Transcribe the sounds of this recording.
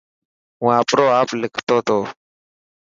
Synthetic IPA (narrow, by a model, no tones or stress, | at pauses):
w̃ãːpʼɾoːaplɪkʰt̪ɔt̪o